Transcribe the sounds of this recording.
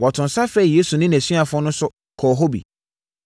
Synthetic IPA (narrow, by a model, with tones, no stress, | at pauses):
wɔ˨tʰʊ̃˨nsa˦fɛ˦i˨jeː˦su˨nɪ̃˦næ̃˨si˦a˨fʊ˦ɔ˦nʊ̃˦sʊ˦ | kʰɔː˨ɦo˦bḭ˨